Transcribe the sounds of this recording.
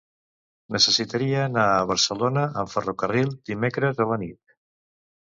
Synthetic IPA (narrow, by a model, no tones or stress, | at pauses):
nəsəsit̪əɾiəːnaəβ̞əɾsəlonəʔəɱfərokərilˠd̪imekɾəzələnit̪̚